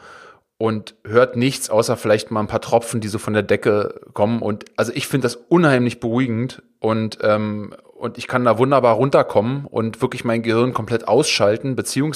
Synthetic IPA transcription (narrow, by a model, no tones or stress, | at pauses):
ʔʊnthøːɐtnɪçt͡sʔaʊsɐfɪlaɪçtmaːln̩pʰaːɐtʁ̥ɔp͡fn̩diːzoːfɔndeːɐdɛkəkʰɔmənʔʊntʔalzoʔɪçfɪndəd̥asʔʊnhaɪmlɪçb̥əʁuːiɡŋ̩t | ʔʊntʔɛːm | ʔʊntɪçkʰandaːvʊndɐbaːɐʁʊntɐkʰɔmənʔʊ̰ntv̥ɪɐklɪçmaɪnɡəhɪɐnkʰɔmpl̥ɛtʔaʊsʃaltn̩bət͡siːʊŋ